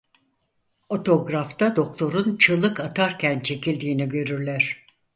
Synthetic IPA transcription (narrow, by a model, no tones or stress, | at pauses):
o̞t̪ʰo̞ɡɾaft̪ad̪o̞kt̪ʰo̞ɾunt͡ʃʰɯlˠɯkat̪ʰaɾcʰænt͡ʃʰe̞cilʲd̪iːniɟø̞ɾyɾlʲæɾ̥